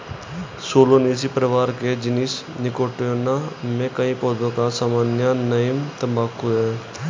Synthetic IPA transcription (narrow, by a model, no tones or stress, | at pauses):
soːloniːs̬ipɾəʋaːɾked͡ʒɪnɪs | nɪkoːʈjõnamẽkəĩpoːd̪õkasaːmaːnjanəmt̪əmbaːkːʊɛ